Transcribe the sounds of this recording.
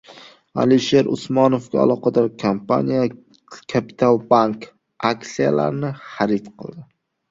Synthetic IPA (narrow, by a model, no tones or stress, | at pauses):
a̰liʃe̞ɾʊ̰smɒnofɡʲaa̰lˠɒqɑd̪ɒɾkʰampʰa̰nija | kʰapʰi̥t̪ʰalˠbaŋk | akt̪sijala̰ɾnɪχaɾɪt̪qʰɨ̰lˠd̪ɪ